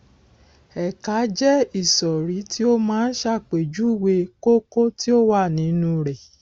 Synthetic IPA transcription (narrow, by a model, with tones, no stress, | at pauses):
ɛ˨ka˨˦d͡ʒɛ˦i˦˨sɔ˨ɾi˨˦ti˦o˦mãː˦˧n̩˦ʃa˦˨k͡pe˨d͡ʒu˦i˦˨we˧ko˦ko˦ti˦o˦wa˦˨nĩ˨˦nũ˧ɾɛ˨